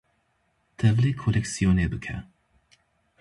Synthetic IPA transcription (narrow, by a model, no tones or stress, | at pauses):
t̪ʰɛvlekʰolɛksijoːnebɨkʰɛ̰